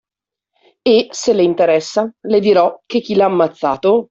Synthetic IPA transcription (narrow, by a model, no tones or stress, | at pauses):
eseleint̪eɾɛsːaled̪iɾɔk̟ek̟ːilaːmːat̪sːa̰ːt̪o